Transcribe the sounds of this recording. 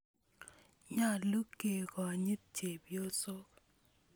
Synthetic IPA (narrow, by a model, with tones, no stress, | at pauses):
ɲa˦˨lu˦kːe˨kɔ˨a˨ɲɪ˦t̪̚t͡ʃe˨bjo˦so˦k̚